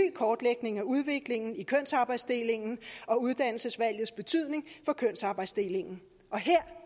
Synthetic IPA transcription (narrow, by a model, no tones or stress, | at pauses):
y̰ːkʰɒːd̥leɡ̥ne̝ŋæuð̞ˠʋe̝ɡ̥le̝ŋn̩ikʰøn̰sɑ̈ːb̥ɑ̈ɪd̥sd̥e̝le̝ŋn̩ɒ̽uð̞ˠd̥æn̰l̩səsʋæl̰jð̞̩ˠsb̥e̝t͡sʰyð̰ˠne̝ŋfɒ̽kʰøn̰sɑ̈ːb̥ɑ̈ɪ̰̥sd̥e̝le̝ŋn̩ | ʔɒ̽ɦeɐ̰